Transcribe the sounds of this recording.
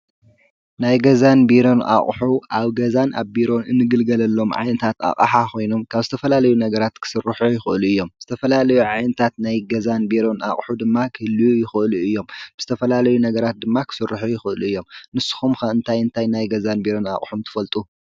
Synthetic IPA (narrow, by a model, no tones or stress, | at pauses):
najɡɐzanbiɾo̞nʔa̰χʼħuʔaβɡɐzanʔa̰βbiɾo̞nɨnːɨɡɨlɡɐlɐlːo̞mʕa̰jnɐt̪ʰat̪a̰χʼa̰ħakʰo̞jno̞mkʰaβzɨt̪ʰɐfɐlalɐjunɐɡɐɾat̪kʰɨ̥sɨrːɨħujɪxɨɨluɨjːo̞mzɨt̪ʰɐfɐlalɐjuʕajnɐt̪ʰat̪najɡɐzanbiɾo̞na̰χʼħud̪ɨmːakʰɨhɨlːjujɪxɨʔɨluɨjːo̞mb̥ɨz̥ɨt̪ʰɐfɐlalɐjunɐɡɐɾat̪̚d̪ɨmːakʰɨ̥sɨrːɨħujɪxɨʔɨluɨjːo̞mnɨsːɨ̥xumxɐɨnt̪ʰajɨnt̪ʰajnajɡɐzanbiɾo̞na̰χʼħumt̪ʰɨ̥fɐlt̪ʼu